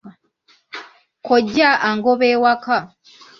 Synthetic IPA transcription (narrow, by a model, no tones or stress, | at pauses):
koɟːaʔaŋɡoβeːwaka